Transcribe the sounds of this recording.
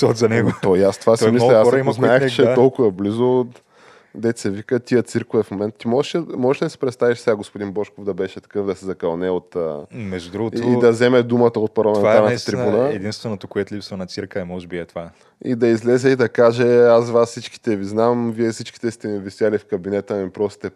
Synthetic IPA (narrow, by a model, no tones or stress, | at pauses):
sɔt̪zɐnɛɡot̪ɔiast̪ovasmisnɔɛasɔɾɐimznaɛxt͡ʃɛt̪ɔlˠkʊvɐblizo | d̪ɛt̪sɛvikət̪ʲiət̪siɾkʊvɛfmomɛnt̪t̪imɔʒɛʃɛmɔʒɛʃɛd̪ɐsi̥pɾɛt̪st̪aviʃsɛɡaɡospod̪inbɔʃkovd̪ɐbɛʃɛt̪ɐ̥kɤvd̪ɐsɛzɐkɐlˠnɛot̪ːmɛʒdud̪ɾuɡooid̪ɐzɛmɛd̪umət̪əot̪̚pɐɾlˠɐmɛntaaɾnət̪ət̪ɾibunəɛd̪inst̪vɛnot̪okoɛt̪lipsvɐnɐt̪siɾkəɛmɔʒɛbiɛt̪ova | id̪ɐizlɛzɛid̪ɐkaʒɛas̬vassit͡ʃki̥t̪ɛviznamviɛfsit͡ʃki̥t̪ɛst̪ɛvisʲjalifkɐbinɛt̪əmipɾɔst̪t̪ɛ